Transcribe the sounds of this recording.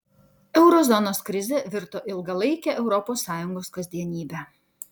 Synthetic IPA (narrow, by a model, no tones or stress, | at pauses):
ɛʊɾɔzɔnoːskɾʲɪzʲɛʋʲɪɾt̪oːʔɪlˠɡɐlˠɐɪkʲɛʔɛʊɾɔpoːsːɑːjʊŋɡoːskɐzʲd̪ʲiɛnʲiːbʲɛ